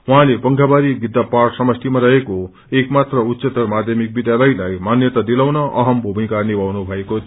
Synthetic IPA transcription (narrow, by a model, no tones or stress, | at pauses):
wuɦãlebʌŋkʰabaɾiɡid̪ːaparsʌmʌst̪ʰimaɾʌɦeko | ekmat̪rʌut̪ːset̪ʌrmad̪ʱjʌmik̚bid̪jalʌjlajmanjʌt̪ad̪ilawnʌʔʌɦʌmbʱumĩkarnibawnubʱʌeko